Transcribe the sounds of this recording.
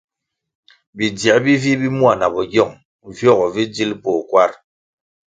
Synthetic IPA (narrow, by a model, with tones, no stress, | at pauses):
bi˨dja˨˦bi˦vi˦bi˦mwa˨na˨bɔ˨ɡjɔ˦˨ŋ | vjɔ˦˨ɣɔ˨vi˦d͡zi˦lpɔ˨kwa˦ɾ